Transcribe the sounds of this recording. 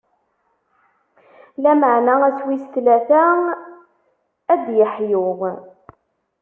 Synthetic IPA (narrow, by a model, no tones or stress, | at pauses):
læməʕnaæswist̪læθæ | æd̪jəħjʊʁ